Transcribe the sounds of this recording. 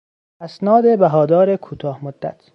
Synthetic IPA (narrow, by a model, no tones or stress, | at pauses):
æsnɒːd̪ebæɦɒːd̪ɒːɾekʰuːt̪ʰɒːhmod̪ːæ̰t̪ʰ